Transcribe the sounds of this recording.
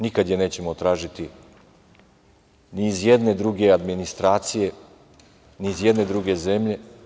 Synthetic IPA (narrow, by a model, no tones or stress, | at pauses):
nikad̪jene̞ːt͡ɕe̞mot̪ɾaːʒit̪i | niːzjed̪ne̞d̪ɾuɡe̞ad̪minist̪ɾaːt̪sije̞ | nizje̞d̪ne̞d̪ɾuɡe̞ze̞mʎe̞